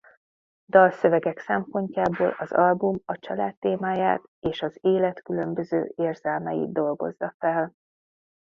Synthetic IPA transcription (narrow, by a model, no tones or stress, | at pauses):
d̪ɒlsø̞vɛɡɛksɛmpo̞ɲcaːboːlɒzɒlbumɒt͡ʃɒlaːt̪ːeːmaːja̰ːt̪eːʃɒzeːlɛt̪kylø̞mbø̞zøːeːrz̥ɛlmɛjḭd̪̚d̪o̞lɡo̞̰zːɒfɛl